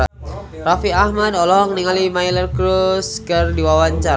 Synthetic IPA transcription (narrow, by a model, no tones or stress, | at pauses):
rafiahmadɔlɔɦɔŋniŋalimailərkɾuskərdiwawaɲt͡ʃaɾ